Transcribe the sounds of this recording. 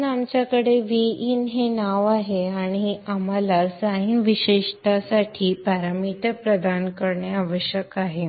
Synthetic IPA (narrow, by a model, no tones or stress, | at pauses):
namt͡ɕjakəɽeʋiiːnɦenaʋaɦeaɽ̃iam̤alasajiʋiɕeʂʈasaʈʰiːpaɾamit̪əpɾəd̪ankəɾɳjaaʋəɕjəkaɦe